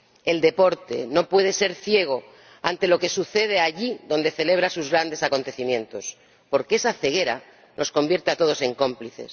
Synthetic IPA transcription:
e̞ld̪e̞po̞ɾt̪e̞̰no̞pwe̞ð̞e̞se̞ɾθje̞ɣ̞o̞ | ant̪e̞lo̞ke̞suθe̞ð̞e̞aʎiðo̞nd̪e̞θe̞le̞β̞ɾasuzɣɾand̪e̞sako̞nt̪eθimjẽ̞nt̪o̞s | po̞ɾkeesaθe̞ɣe̞ɾa̰ | nʔo̞sko̞mbje̞ɾt̪eat̪o̞ð̞o̞se̞ŋko̞mpliθe̞̰s

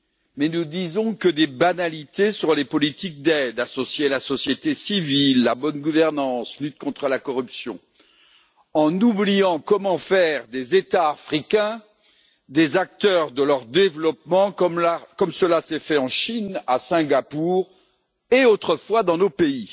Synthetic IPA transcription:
mɛnud̪izɔ̃kəd̪ebanalit̪esyʁlepɔlit̪ik̚d̪ɛd̪asɔsjelasɔsjet̪esivilːabɔnɡuvɛʁnɑ̃slyt̪̚kɔ̃t̪χəlakɔʁypsjɔ̰̃ | ɑ̃nublijɑ̃kɔmɑ̃fɛʁd̪ezet̪aːfχikʲɛ̃ | d̪ezak̚t̪œʁd̪əlœʁd̪evlɔp̚mɑ̃kɔmlakɔmsəlasɛfɛɑ̃ʃinasɛ̃ɡapuːʁ | eot̪χəfwad̪ɑ̃nopei

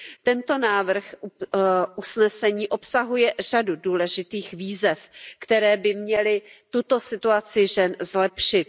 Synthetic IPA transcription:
t̪ɛnt̪o̞naːvr̩x | ʔusnɛsɛɲiːʔo̞psaɦujɛr̝aduduːlɛʒɪt̪iːxviːzɛfkt̪ɛɾɛːbɪmɲɛlɪt̪ut̪o̞sɪt̪uat͡sɪʒɛnzlɛpʃɪt̪

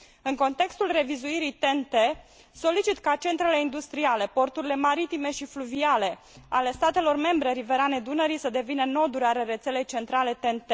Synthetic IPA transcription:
ɨŋko̞nt̪e̞kst̪ulre̞vizuiɾijt̪e̞nt̪e | so̞lit͡ʃit̪kat͡ʃe̞nt̪ɾe̞le̞ind̪ust̪ɾiale̞po̞rt̪uɾile̞maɾit̪ime̞ʃifluviale̞ | ale̞st̪at̪e̞lo̞rme̞mbɾe̞ɾive̞ɾaned̪unəɾisəd̪e̞vinəno̞d̪uɾaɾeɾe̞t̪se̞le̞jt͡ʃe̞nt̪ɾale̞t̪ent̪e

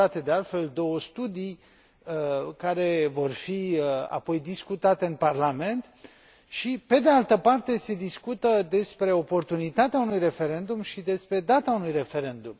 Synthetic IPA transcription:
at̪e̞d̪e̞alt̪fe̞ld̪o̞wəst̪ud̪ij | kaɾe̞vo̞rfia̰po̞jd̪iskut̪at̪e̞ɨnparlame̞nt̪ | ʃipe̞d̪ealt̪əpart̪e̞se̞d̪iskut̪əd̪e̞spɾe̞o̞po̞rt̪unit̪at̪eaunujre̞fe̞ɾe̞nd̪umʃid̪e̞spɾe̞d̪at̪aunujre̞fe̞ɾe̞nd̪um

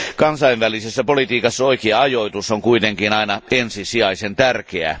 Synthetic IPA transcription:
kɑnsɑiʋʋælisesːæpolit̪iːkɑsːɑoikeɑɑjoit̪usːoŋkuit̪eŋkinɑinɑensisiɑisent̪ærkeæ̰

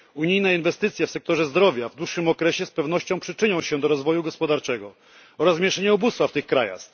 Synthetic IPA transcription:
uɲijnɛinvɛst̪ɘt̪sʲjɛfsɛk̚t̪ɔʐɛzd̪ɾɔvʲjavd̪wuʂːɘmɔkɾɛɕɛspɛvn̪ɔɕt͡ɕɔ̃w̃pʂɘt͡ʂɘɲɔ̃w̃ɕɛd̪ɔɾɔzvɔjuɡɔspɔd̪aɾt͡ʂɛɡɔ | ɔɾazmʲɛʂɛɲɛɔbust̪faft̪ɘxkɾaja̰x

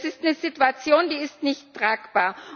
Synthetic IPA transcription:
sɪstnəzituat͡sjoːndiːɪstnɪçtːʁ̥aːkb̥aːɐ

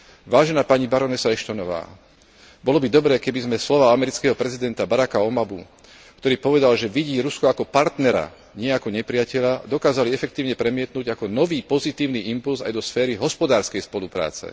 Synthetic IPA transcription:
ʋaːʒɛnaːpaɲibaɾɔnɛsaɛʃt̪ɔnɔʋa̰ː | bɔlɔbid̪ɔbɾɛːkɛbizmɛslɔʋaamɛɾit͡skɛːɦɔpɾɛzid̪ɛnt̪abaɾakaɔmabu | kt̪ɔɾiːpɔʋɛd̪alʒɛʋiɟiːɾuskɔakɔpaɾt̪nɛɾa̰ | ɲɪɛakɔɲɛpɾɪacɛʎad̪ɔkaːzaliɛfɛk̚t̪iːʊɲɛpɾɛmɪɛt̪nuːɟakɔnɔʋiːpɔzit̪iːʊniʔimpulsa̰jd̪ɔsfɛːɾiɦɔspɔd̪aːɾskɛjspɔlupɾa̰ːt͡sɛ̰

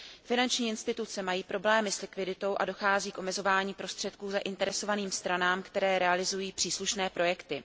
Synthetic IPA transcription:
fɪnant͡ʃɲiːɪnst̪ɪt̪ut͡sɛmajiːpɾo̞blɛːmɪslɪkvɪdɪt̪o̞wʔa̰do̞xaːziːkʔo̞mɛzo̞vaːɲiːpɾo̞st̪r̥ɛt̪kuːzaʔɪnt̪ɛɾɛso̞vaniːmst̪ɾanaːmkt̪ɛɾɛːɾɛalɪzujiːpr̝̥iːsluʃnɛːpɾo̞jɛkt̪ɪ

